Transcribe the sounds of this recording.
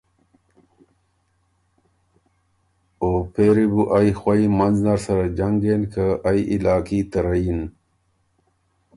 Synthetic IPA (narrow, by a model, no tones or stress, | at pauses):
opeːɾibuʔajxwaimɐnznaɾsɐɾad͡ʑaŋɡenkəaiʔilaːkit̪əɾain